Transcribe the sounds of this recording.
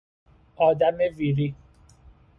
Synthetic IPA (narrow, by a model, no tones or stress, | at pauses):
ɔdameviɾi